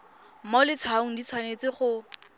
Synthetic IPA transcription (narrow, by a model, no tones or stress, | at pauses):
molɪt͡sʰwaŋ̩dit͡sʰwanet͡sɪχʊ